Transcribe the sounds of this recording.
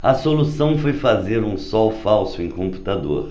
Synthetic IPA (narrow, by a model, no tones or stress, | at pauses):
ɐsolusɐ̃w̃fojfazeɾũsɔwfawsʊẽj̃kõmpu̥t̪ad̪o̰ɾ